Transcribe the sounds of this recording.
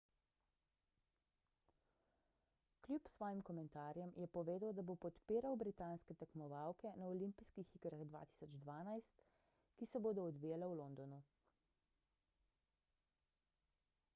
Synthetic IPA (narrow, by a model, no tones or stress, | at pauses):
klʲjupsʋɔːjimkɔmɛnt̪aːɾjɛmjɛpɔʋeːd̪əwd̪abopɔt̪piːɾawbɾit̪aːnskɛt̪akmɔʋawkɛnaɔlimpiskixikɾaɣd̪ʋa̰ːt̪i̥sɔd͡ʒd̪ʋaːnajst̪ | kisɛboːd̪ɔːd̪ʋiːjalawlond̪ɔnu